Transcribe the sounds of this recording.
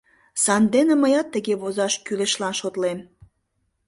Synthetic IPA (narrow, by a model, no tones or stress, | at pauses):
sɑnd̪enĕməjɑt̪ːəɣeβozɑʃkyleʃlɑnʃot̪lem